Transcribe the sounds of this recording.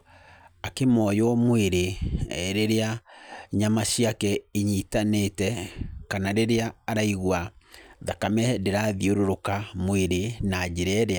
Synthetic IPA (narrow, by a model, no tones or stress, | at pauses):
akemɔjɔmweɾeɛɾeɾeaɲamaɕiakɛiɲiːtanetɛkanaɾeɾeaːɾaiɣwaðakamɛdeɾaðioɾoɾokamweɾenad͡ʑeɾɛɾea